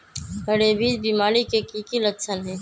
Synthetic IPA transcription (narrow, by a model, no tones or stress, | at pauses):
əɽebiːd̪biːmaːɾikekiːkilət̪sʰənɦɛː